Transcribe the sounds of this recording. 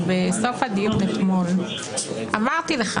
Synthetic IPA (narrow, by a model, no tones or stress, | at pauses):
besofhad̪ijunet̪mo̞l | ʔamaʁt̪ileχa